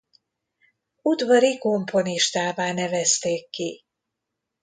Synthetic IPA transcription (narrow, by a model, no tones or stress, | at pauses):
ud̪vɒɾiko̞mpʰo̞niʃt̪aːvaːnɛvɛst̪eːkːi